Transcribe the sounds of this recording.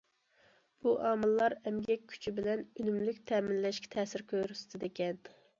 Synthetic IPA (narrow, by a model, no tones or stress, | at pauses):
b̥uʔɑːmɨlˠːɑɾɛmɡʲɛkʲʰːy̥t͡ʃʰibɪlɛnynymlykʲt̪ʰɛːmɪnlɛʃkʲɛ̥t̪ʰɛːsɪɾkʲʰøɾysɪ̥t̪ʰɪd̪ekʲɛn